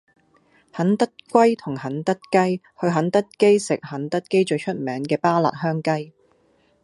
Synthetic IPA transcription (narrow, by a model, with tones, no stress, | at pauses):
hɐ˨˥nt̪ɐ˥t̚kʷɐ˥jt̪ʰʊ˨˩ŋhɐ˨˥nt̪ɐ˥t̚kɐ˥j | hɵ˧ɥɦɐ˨˥nt̪ɐ˥t̚ke˥jsɪ˨k̚hɐ˨˥nt̪ɐ˥t̚ke˥jt͡ʃɵ˧ɥt͡ʃʰɵ˥t̚mɛː˨˥ŋkɛː˧paː˥la̰ː˨˩t̚hœː˥ŋkɐ˥j